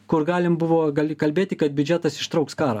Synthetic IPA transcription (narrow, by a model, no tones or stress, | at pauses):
kʊɾɡɑːlʲɪmbʊʋoːɡɐlʲkɐlʲbʲeːt̪ʲɪkɐt̪̚bʲʊd͡ʒʲæt̪ɐsɪ̥ʃt̪ɾɐʊkskɑːɾɐ̰